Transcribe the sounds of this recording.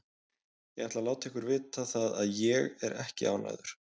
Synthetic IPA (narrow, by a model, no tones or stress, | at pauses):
jɛɣat̪lalaːwt̪ʰɛhkʏɾvɪːt̪ʰaθaðaðjɛɣɛɾʔɛ̰hcɪʔa̰ːwna̰jðʏɾ̥